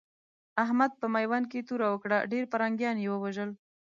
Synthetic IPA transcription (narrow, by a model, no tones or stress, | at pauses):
aɦmad̪̚pəmajwank̬et̪uɾawəkɽa̰ɖeɾpəɾaŋɡjɑnjewəwaʒəl